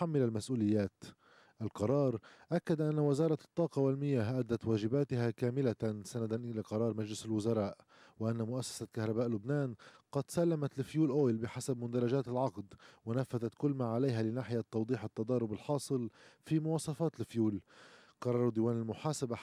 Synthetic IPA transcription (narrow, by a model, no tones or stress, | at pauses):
amːɪlalmasʔuːlɪjːaːt̪ | ʔalqɑɾˤɑːɾˤʔakːad̪ʔanːawɪzɑːɾˤɑt̪ˤːɑːqɑwalmɪjaːɦʔad̪ːat̪waːʒɪbaːt̪ɪɦakaːmɪlasanad̪anʔɪlaqɑɾˤɑːɾˤmad͡ʒlɪsɪlwʊzɑɾˤɑːʔ | wɪʔanːamʊʔasːḁsakahɾˤɑbaːʔlʊbnaːnqɑd̪salːamat̪lɪfjuːlʔoːjlbɪħasabmʊd̪ɑɾˤɑʒaːt̪ɪlʕɑqd̪wɪnafːaðat̪kʊlːmaːʕalajɦalɪnaːħɪjat̪ːɑwd̪ˤiːħɪt̪ːɑd̪ˤɑːɾˤʊbɪlħɑːsˤɨlfimʊwɑːsˤɑfɑːt̪lɪfjuːlqɑɾˤɑːɾˤd̪ɪːwaːnɪlmʊħaːsaba